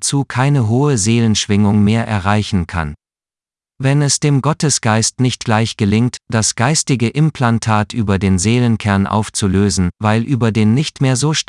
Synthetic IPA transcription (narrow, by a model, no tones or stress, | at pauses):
t͡suːkʰaɪnəɦoːəzeːlənʃv̥ɪŋʊŋmeːɐʔɛ̰ɐʁaɪçn̩kʰa̰n | vɛnɛsd̥eːmɡɔtəsɡ̥aɪstnɪçt̚ɡ̥laɪçɡ̥əlɪŋtd̥asɡ̥aɪstɪɡəʔɪmpʰl̥antʰaːtʰʔyːbɐdeːnzeːlənkʰɛɐnʔa̰ʊft͡suløːzn̩vaɪlʔyːbɐdeːnːɪçtmeːɐzoːʃ